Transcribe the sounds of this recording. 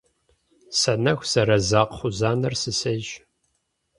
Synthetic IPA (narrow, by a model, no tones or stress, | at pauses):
sɐnɐxʷsɐɾɐzaːqχʷʊzaːnɐrsɨsɐʒ